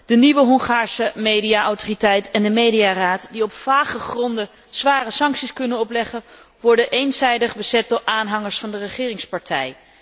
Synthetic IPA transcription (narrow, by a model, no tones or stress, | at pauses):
d̥əniʋəɦɔŋχaːɹsəmejdijaʔɔwtoritɛjtʰɛndəmejdiaraːtdiɔpfaːχəχrɔndə | z̥ʋaːrəsɑŋksiskɵnənɔplɛχən | ʋɔɹdəʔejnzɛjdəχbəzɛt̚dʊːɹʔaːnɦɑŋəɹsfɑndərəχɪːrɪŋspɑɹtʰɛj